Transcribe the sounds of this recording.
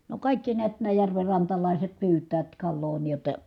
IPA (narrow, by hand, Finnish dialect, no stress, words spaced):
no kɑˑikːi niæt næː jærʋerːɑntɑlɑˑiset pyːtˑæːt kɑlːoː niː jotːɑ